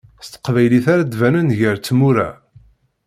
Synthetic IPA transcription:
st̪ə̥qvæjliθaɾad̪vænənʝəɾt͡sːmuɾæ̰

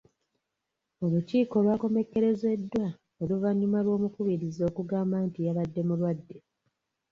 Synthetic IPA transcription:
o̞luciːko̞lwaːko̞me̞kːe̞ɾe̞ze̞dːwa | oluvaɲːumalwo̞ːmukuβiɾizo̞ːkuɡaːmbaːntijaβadːe̞mulwadːe̞

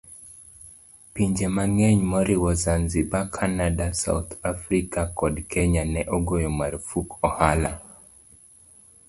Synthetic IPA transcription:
piɲd͡ʒemaŋɛɲmɔɾiwɔzanzibakʰanadasa̰wt̪ʰafɾikakɔdkɛɲanɛʔoɡojɔmaɾfukʰɔhala̰

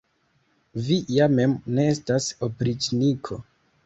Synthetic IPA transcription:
vijame̞mneestasopɾit͡ʃnikʰo̞

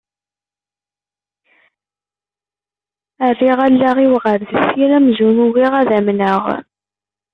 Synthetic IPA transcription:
ərːiʁælːaʁiwʁəɾðəsiɾæmzumuwiʁæðæmnəʁ

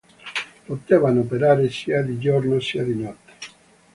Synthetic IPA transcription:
pot̪ɛːvanopeɾaːɾesiːad̪id͡ʒoɾnosiad̪inɔt̪ːe̥

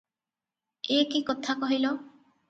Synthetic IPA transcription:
ekikot̪ʰakɔɦilo

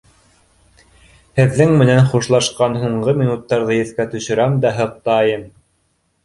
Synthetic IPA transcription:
hɘ̆ðːɘŋmɘ̆nænχuʃlˠɑʃqɑnɦuɴɢɤmʲinut̪ːɑɾðɤjɘ̆θkæt̪ɵ̆ʃɵ̆ɾæmd̪æɦɤ̆q̚t̪ɑjɤm

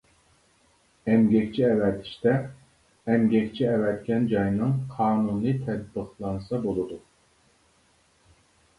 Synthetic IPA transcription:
ɛmɡʲɛkʲt͡ʃʰiɛwɛt̪ʰɪ̥ʃt̪ɛ | ɛmɡʲɛkʲt͡ʃʰiɛwɛt̪̚kʲɛnd͡ʒɑjnɨŋqʰɑːnunlˠɨt̪ʰɛd̪̚bɨχlˠɑnsɑbolˠɨd̪u

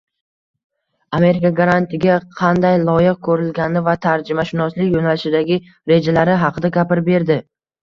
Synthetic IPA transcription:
ame̞ɾɪkaɡaɾant̪ʰɪɡʲaqʰɑnd̪ajlˠɒjɪq̚kʰɵɾɪlɡʲanɪvat̪ʰaɾd͡ʒɪmaʃɪnɒslɪkʲjonalɪʃɪd̪aɡʲɪ | ɾe̞d͡ʒalaɾɪɦɑqʰɨd̪aɡʲapɪɾbe̞ɾd̪ɪ

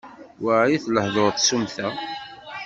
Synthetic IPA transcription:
wəʕjiθləhðoɾt̪ːsumθæ

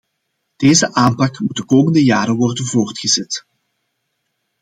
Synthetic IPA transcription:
d̥eːzəʔaːmpɑkmut̚dəkoːməndəjaːɾəʋɔrdənvoːrtχəzɛt

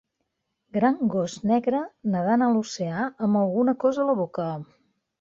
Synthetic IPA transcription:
ɡɾaŋɡɔznɛɣɾənəðanəluseaəməlˠɣunəkɔzələβ̞okə

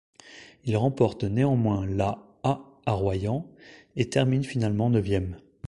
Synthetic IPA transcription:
ilʁɑ̃pɔʁt̪neɑ̃mwɛ̃la | aː | ʁwajɑ̃et̪ɛʁminfinalmɑ̃nəvjɛm

